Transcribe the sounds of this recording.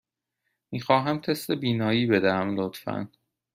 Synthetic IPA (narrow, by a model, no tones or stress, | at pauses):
miːxɒːɦæmt̪ʰe̞st̪ebiːnɒːjiːbe̞d̪æhæmlot̪fæ̰n